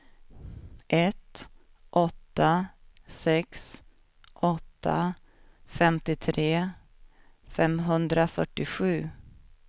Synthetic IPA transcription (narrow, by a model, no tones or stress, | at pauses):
ʔɛt̪ | ʔɔt̪ːasɛks | ʔɔt̪ʰːa̰ | fɛmt̪ɪt̪ʰɾeː | fɛmɦɵnd̪ɾafœʈːɪɧʉ̟ː